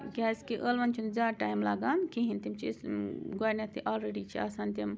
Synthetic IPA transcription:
ɡʲaːzkiʔəlʋɐnt͡ʃʰunzaʈajmlaɡankiɦint̪imt͡ʃʰḭsɡanat̪ʰiʔaːlɾeɖit͡ʃʰiasant̪im

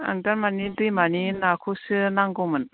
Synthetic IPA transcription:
a̰ŋdanmanidɯjmaninakʰusɯnaŋɡɔmɯn

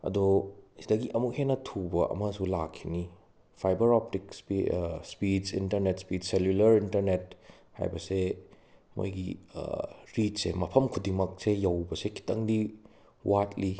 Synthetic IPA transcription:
ɐ̰dosidɐɡiʔɐmuk̚henɐtʰubɐɐ̰mɐsulakʰːini | pʰajbɐɾop̚tikspispidsḭntɐɾnetspitseljulɐɾintɐɾnet̚ | ha̰jbɐse | mo̰jɡḭ | ɾit̚sḛmɐpʰɐmkʰudimɐk̚sejawbɐsekʰi̥tɐŋdi | wʔatli

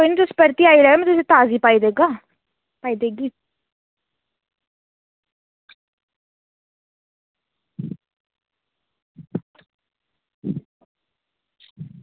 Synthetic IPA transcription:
oint̪ʊspəɾt̪iːaːilɛːemɛ̃t̪ʊsẽt̪aːziːpaːiːd̪eːɡaː | paːiːd̪eːɡiː

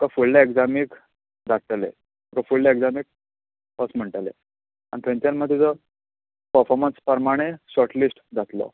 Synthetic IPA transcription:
kafuɭljaekd͡zamiːk | d͡zat̪əlḛ | kafuɭljaekd͡zamiːk̚ | əsm̤əɳʈalḛ | a̰nit̪ʰẽɲt͡ɕjanmːəd̪ʱːed͡zɔ | pəɾfɔɾmənspəɾmaɽ̃eɕɔʈlisʈd͡zat̪lɔ̰

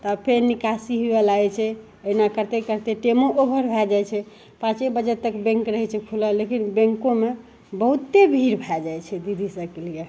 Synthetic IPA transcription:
t̪apʰenikasiɦubɛlaɛt͡ʃʰɛ | ənakəɾt̪ekəɾt̪eʈemõʔobʱəɾbʱɛd͡ʒajt͡ʃʰɛ | pãt͡ʃebəd͡ʒɛt̪əkbɛ̃ŋkɾəɦɛt͡ʃʰɛkʰuləlekinbẽŋkõme | bəɦut̪ːebʱiɾbʱad͡ʒajt͡ʃʰɛd̪id̪ʱisəkelije

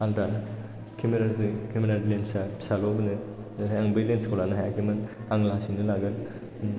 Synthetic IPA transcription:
aldanɯ | kʰimeɾazikimiɾadilensasalobɯnɯ | ajaŋbilenskʰolanɯɦajakʰimɯnaŋlasiŋnɯlaɡɯn

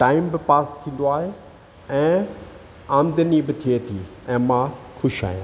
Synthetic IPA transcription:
ʈaːɪmbɪpaːst̪ʰĩːn̆d̪oaːɦe | ɛ̃ː | aːmd̪ənibɪt̪ʰiet̪ʰḭːɛ̃ːmãxʊʃa̰ːɦjãː

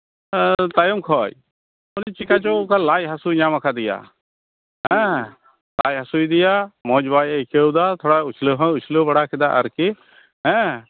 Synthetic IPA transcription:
t̪ajɔmkʰɔj | ʊnit͡ʃikat͡ʃɔkalajɦasuɲamakʰad̪ɪja̰ | ɦɛ̃ | la̰jɦasujd̪ijamɔd͡ʒbajəjkʰəwd̪at̪ʰɔɽaut͡ʃʰləɦɔ̃ut͡ʃʰləbaɽakʰɛd̪aʔə̰ɾki | ɦɛ̃

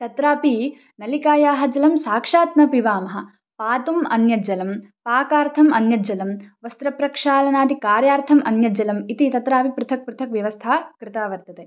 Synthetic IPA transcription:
t̪ɐt̪ɾaːpi | nɐlikaːjaːɦɐd͡ʒɐlɐmsaːkʂaːt̪nɐpiʋaːmɐɦɐ̆ | paːt̪umɐ̰njɐd͡ʒɐlɐmpaːkaːɾt̪ʰɐmɐnjɐd͡ʒɐlɐmʋɐst̪ɾɐpɾɐkʂaːlɐnaːd̪ikaːɾjaːɾt̪ʰɐmʔɐ̰njɐd͡ʒɐlɐmit̪it̪ɐt̪ɾaːpipɾut̪ʰɐk̚pɾut̪ʰɐkʋjɐʋɐst̪ʰaːɐkɾɪt̪aːʋɐɾt̪ɐt̪eː

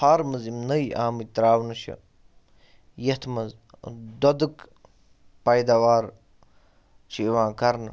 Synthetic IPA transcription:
aːɾmɐzimnɐjaːmit̪ɾaːwnɐʃɐ̰ | jet̪ʰmɐz | d̪od̪ɨk | pɐjd̪awaːɾ | t͡ʃʰiwãːkɐɾn

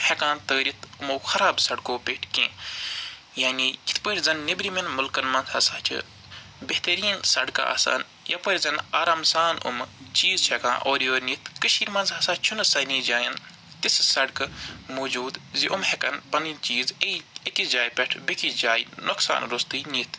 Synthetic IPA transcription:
hɛkaːnt̪əːɾit̪umoːxɐɾaːbsɐɽkoːpeːʈʰkẽː | jaːniːkʰi̥t̪ʰpəʈʲzɐnnebɾimenmʊlkɐnmɐ̃nzhɐsaːt͡ʃʰḭ | beht̪ɐɾiːnsɐɽka̰a̰ːsa̰ːn | jɐpəɾʲzɐnaːɾaːmsaːnṵmt͡ʃiːzt͡ʃʰekã̰ːʔoːɾjoːɾnit̪ʰkɨʃiɾmɐnzɦɐsaːt͡ʃʰunsɐnid͡ʒaːjɐn | t̪issɐɽkmoːd͡ʒuːd̪ziʔumhɛkɐnpɐnint͡ʃiːzeekid͡ʒaːjpʲɛʈʰbekid͡ʒaːjnoksa̰ːnɾust̪ɨːnit̪ʰ

